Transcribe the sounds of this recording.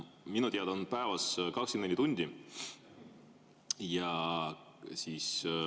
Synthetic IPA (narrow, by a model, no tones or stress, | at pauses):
minut̪iɑd̪ɑonpæevɑskɑkskimnenʲit̪unʲd̪̥ʲi | jɑ | siːs